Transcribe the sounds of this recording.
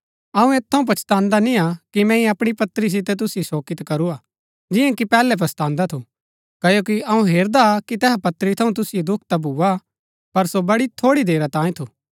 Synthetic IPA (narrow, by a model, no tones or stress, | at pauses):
ɐũeːt̪ʰːɐũp̬ɐt͡ʃt̪ãːnd̪aniakimɛ̃ĩɐpɽ̃ipɐt̪ɾis̬ɪt̪̬ɛt̪̬ʊsjosoːkɪt̪kɐɾua | d͡ʒɪjãkipɛːlɛp̬ɐst̪ãːnd̪at̪ʰu | kɐjoːkiɐũɦeːɾd̪akit̪ɛːɦapɐt̪əɾit̪ʰɐũt̪̬ʊsɪjed̪ʊkʰt̪abʱuːa | pɐɾsobɐɽit̪ʰoːɽid̪eːɾat̪ãːĩt̪ʰuː